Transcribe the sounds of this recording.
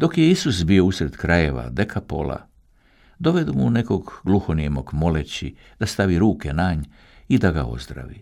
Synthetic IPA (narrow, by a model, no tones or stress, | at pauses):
d̪o̞kje̞isusbio̞usɾe̞d̪kɾaje̞ʋa̰d̪e̞kʰapo̞̰lˠa̰ | d̪o̞ʋe̞d̪umuneko̞ɡɡlˠuxoniemoɡmo̞let͡ɕi | d̪̥ast̪aʋiɾuːke̞naɲ | id̪aɡa̰o̞̰zd̪ɾa̰ʋi